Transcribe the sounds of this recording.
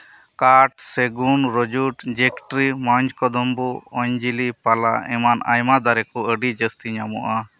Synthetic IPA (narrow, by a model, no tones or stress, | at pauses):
kaʈsɛɡunɾɔd͡ʒuʈd͡ʒɛkʈɾimaɲd͡ʒkɔd̪ɔmbuɔɲd͡ʒilipala̰ɛmana̰jmad̪aɾɛkɔəɖid͡ʒəst̪iɲamɔʔa